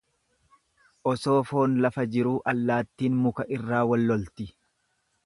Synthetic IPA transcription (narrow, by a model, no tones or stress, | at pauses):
ʔɔso̞ːfo̞ːnlɐfɐd͡ʒɪɾuːʔɐlːaːt̪ːiːnmʊkɐʔɪrːaːwɐlːɔlt̪ɪ